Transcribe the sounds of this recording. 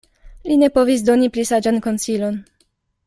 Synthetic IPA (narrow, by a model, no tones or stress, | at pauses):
line̞po̞vis̬do̞niplisad͡ʒanko̞nsilo̞n